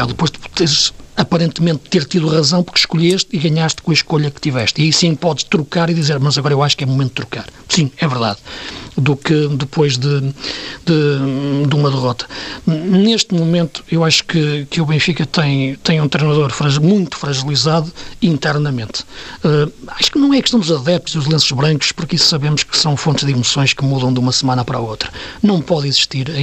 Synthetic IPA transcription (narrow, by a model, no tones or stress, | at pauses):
ɛðɨpojʒt̪eʃɐpɐɾẽnt̪mẽnt̪ːeɾt̪iðuʁɐzɐ̃w̃puɾkʃkuʎeʃt̪iɣɐɲaʃt̪kõɐʃkoʎɐkɨ̥t̪ivɛʃt̪iɐisĩpɔðʃt̪ɾukaɾiðizeɾmɐzɐɣɔɾɐewaʃu̥kɛũmumẽnt̪̚ːt̪ɾukaɾ | sĩɛvɨɾða̰ðdukɨd̪ɨpʰojʒðɨd̪ɨd̪umɐðɨʁɔt̪ɐ̥neʃt̪mumẽnt̪u̥ewaʃu̥kɨkuβẽj̃fikɐt̪ɐ̃j̃t̪ɐ̃j̃ũt̪ɾejnɐðoɾfɾɐʒmũj̃t̪u̥fɾɐʒɨlˠizaðuĩnt̪ɛɾnɐmẽnt̪ɛaʃu̥knɐ̃w̃ɛkʃt̪ɐ̃w̃d̪uzɐðɛp̚t̪uziuʒlˠẽsuʒβɾɐ̃ŋku̥ʃpuɾkisu̥sɐβemʊʃkɨ̥sɐ̃w̃fõnt̪ʒd̪imusõj̃ʃkɨmuðɐ̃w̃d̪umɐsɨmanɐpɐɾaot̪ɾɐ̥nɐ̃w̃pɔðiziʃt̪iɾɐ̃